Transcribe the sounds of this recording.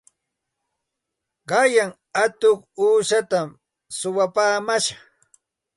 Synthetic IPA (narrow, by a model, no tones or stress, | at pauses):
ɢɑjaŋ | at̪oχuːʃat̪am | sʊwapaːmaʃaχ